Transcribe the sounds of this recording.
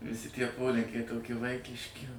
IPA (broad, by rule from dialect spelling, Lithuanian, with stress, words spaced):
ʋʲɪˈsʲɪ tʲiɛ ˈpoːlʲɪŋʲkʲɛɪ toːˈkʲɪ ˈʋɐɪkʲɪʃʲkʲɪ